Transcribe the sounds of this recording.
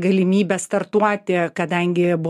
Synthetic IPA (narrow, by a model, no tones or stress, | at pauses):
ɡɐlʲɪmʲiːbʲɛst̪ɐrt̪uɔt̪ʲɪkɐd̪ɐŋʲɡʲɪbʊ